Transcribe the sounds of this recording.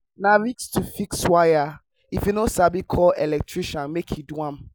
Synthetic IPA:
nãɹikstʰufikswaja | ifjunosabikʰɔlɛlɛk̚tʰɹiʃãnmekʰiduãm

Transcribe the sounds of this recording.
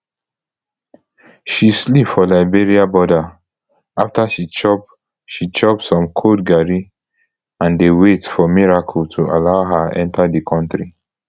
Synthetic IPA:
ʃislipfɔlaɪbeɹiabɔda | aftaʃit͡ʃɔp | ʃit͡ʃɔp̚sɔ̃mkʰodɡaɹi | ãndewetfɔmiɹakʰəltʰualaʊɦaʔɛ̰̃ntʰadikʰɔ̃ntɹi

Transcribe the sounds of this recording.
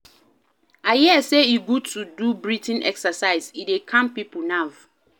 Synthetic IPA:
ajɛɛseiɡud̚tʰudubɹitʰɛ̃nɛ̰ksasaɪzidekʰãmpipʰʊnav

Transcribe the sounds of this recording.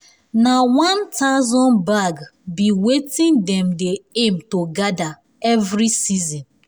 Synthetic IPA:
nawãntazɔ̃nbaɡbiwetĩndɛ̃mdeemtoɡada | ɛvɾisizɔ̃n

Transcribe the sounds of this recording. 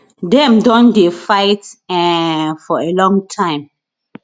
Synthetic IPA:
dɛ̃mdɔ̃ndefaɪtɛfɔelɔ̃ŋtʰãɪ̃m

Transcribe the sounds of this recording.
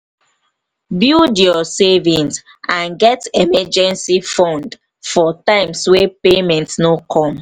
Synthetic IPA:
bidjɔsɛvĩns | ãnɡɛtɛmɛd͡ʒɛ̃nsifɔ̃nd | fɔtãɪ̃mswepemɛ̃ntsnokʰɔ̃m

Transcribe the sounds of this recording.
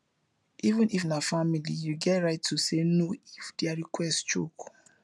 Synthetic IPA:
ivũnifnafamilijuɡɛtɹaɪtʰːusenoifdɛaɹikwɛstt͡ʃo̰k

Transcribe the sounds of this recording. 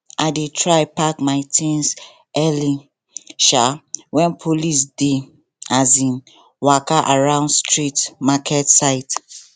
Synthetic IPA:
ʔaɪdetʰɹaɪpakmaɪtʰĩns | ɛli | ʃawɛ̃npʰolisde | azĩn | wakaʔaɹãʊ̃ndstɹitmakʰɛtsaɪt

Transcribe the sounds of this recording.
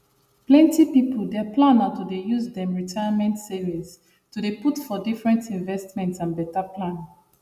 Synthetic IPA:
plɛ̃ntipipʰəlˠdɛplãnatudejuzdɛ̃mɹitʰajəmɛ̃ntsiɹiz | tudeputfɔdifɹɛ̃ntĩnvɛstmɛ̃ntsãnbɛtapʰlãn

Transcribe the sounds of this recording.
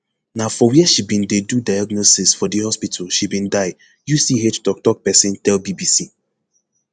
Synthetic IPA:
nafɔwiɛʃibĩndedudajaɡnosisfɔdihɔspitʰalʃibĩndaɪ | jusiɦettɔk̚tɔk̚pɛsĩntɛlbibisi

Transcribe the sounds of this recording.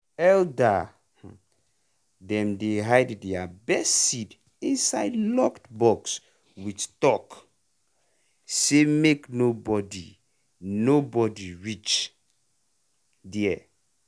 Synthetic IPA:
ɛlda | dɛ̃mdeɦajddɛabɛstsid | ĩnsaɪdlɔktbɔks | wittɔk | semeknobɔdi | nobɔdiɹit͡ʃ | dɛɛ

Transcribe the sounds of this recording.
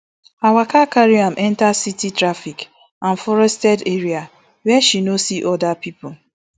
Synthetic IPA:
awakakaɾiamʔɛ̃ntasititɾafik | ãnfɔɾɛstɛdeɾia | wɛʃinosiʔɔdapipʊ

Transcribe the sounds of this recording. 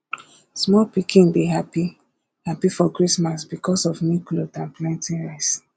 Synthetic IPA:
smɔlpikʰĩnbiɦapi | hapifɔkɹismasbikʰɔsɔvniklotãnplãntĩnɹaɪs

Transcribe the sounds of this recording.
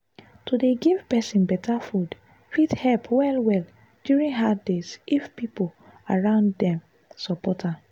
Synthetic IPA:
tudeɡiv̥pɛsĩnbɛtʰafud | fidhɛlpwɛlwɛl | djuɹĩŋɦadezifpipolaɹãʊ̃nddɛ̃m | sɔpɔtʰa

